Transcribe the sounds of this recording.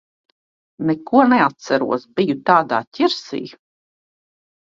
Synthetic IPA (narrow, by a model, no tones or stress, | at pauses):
nɛkuɔnɛat̪̚sæɾṵɔsbijut̪aːd̪a̰ːtʲiɾsḭː